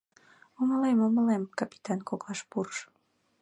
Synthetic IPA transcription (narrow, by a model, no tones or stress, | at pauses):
oməlemoməlemkɑpi̥t̪ɑnkoklɑʃpurʃ